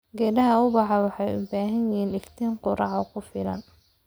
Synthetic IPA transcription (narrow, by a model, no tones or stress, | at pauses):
ɡɛːɖɐɦɐʊbɑħɑwɑħɑjʊ̰baːɦɐnjɪiːnɪft̪ʰiːɴqʊɾɑʕɔkʰʊfɪlɐ̰n